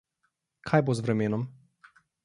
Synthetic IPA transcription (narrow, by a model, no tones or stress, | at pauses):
kʰajbozvɾɛmɛːnɔm